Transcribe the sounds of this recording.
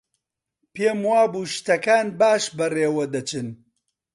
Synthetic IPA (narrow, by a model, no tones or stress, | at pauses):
peːmwaːbuːʃt̪ɐkaːnbaːʃbɐreːwɐd̪ɐt͡ʃɨn